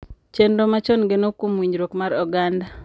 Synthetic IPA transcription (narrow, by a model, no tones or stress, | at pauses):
t͡ʃendomat͡ʃonɡenokomwiɲɾokmaɾɔɡanda